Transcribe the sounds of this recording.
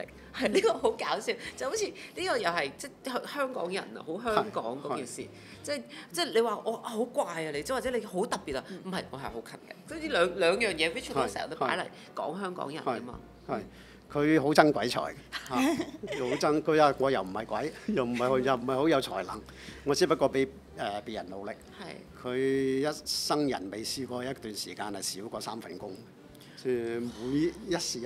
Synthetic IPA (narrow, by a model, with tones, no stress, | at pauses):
ɪ̰˨ŋ | hɐ˨jliː˥kɔː˧ɦo˨˥wkaː˨˥wsiː˧˥wt͡sɐ˨˩ho˨˥wt͡sʰiː˧liː˥kɔː˧jɐ˨˩whɐ˨jt͡sɛː˥˩hhœː˥ŋkɔ̰ː˨˥ŋjɐ̰˨˩nɐ̰˧ho˨˥wɦœː˥ŋkɔ̰ː˨˥ŋkɔː˥kiː˨˩nsḭː˨˩ | t͡sɛː˥˩jt͡sɛː˥le˨˧waː˨˩ʔɔː˨˧ʔa˧ho˨˥wkʷwaː˧jɐ˧le˧t͡sɛ˥˩waː˨˩t͡sɛ˨˥le˨˧jɦo˨˥wt̪ɐ˨˩p̚piː˨t̚ɐ˧m̩˨˩ɦɐ˨jŋɔ̰ː˨˧hɐ˨jho˨˥kʰɐ˨˩nkɐ̰˨sɔ˥˧liː˥lœː˨˧ŋlœː˨˧ŋjœː˨ŋjɛː˨˧kʰɵ˥t͡ʃʰtto˨˧˩sːt̪o˥pa̰ː˨˥jlɐ˨˩j | kɔ̰ː˨˥ŋɦœː˥ŋkɔ̰ː˨˥ŋjɐ̰˨˩˨kɐ˥mɐ̰ː˧ | hɐ˨j | kʰɵ˨˧ɥɦo˨˥wt͡sɐ˥ŋkʷwɐ˨˥jt͡ʃʰɔ̰ː˨˩jhaː˨˩ho˨˥wt͡sɐ˥ŋkʰɵ˨˧ɥaː˧ŋɔː˨˧jɐ˨wm̩˨˩hɐ˨jkʷɐ˨˥jjɐ˨wm̩˨˩hɐ˨jho˨˧jɐ˨˩wm̩˨˩hɐ˨jho˨˥wjɐ˨˧wt͡sʰɔ̰ː˨˩jlɐ̰˨˩ŋ | ŋɔː˨˧t͡siː˨˥p̬ɐ˥t̚kʷːɔː˧pe˨˥j | ɛː˨pi˨jɐ˨˩nlo˨wlɪ˨k̚ɐ˨jkʰɵ˨˧ɥjɐ˥t̚sɐ˥ŋjɐ̰˨˩nme˨jsiː˧kɔː˧˦jɐ˥tt̪yː˨nsiː˨˩kaː˧nhɐ˨jsiː˨˥wkɔː˧saː˥mfɐ˨nkʊ˥ŋ | smuː˨˧jjɐ˥t̚siː˨˩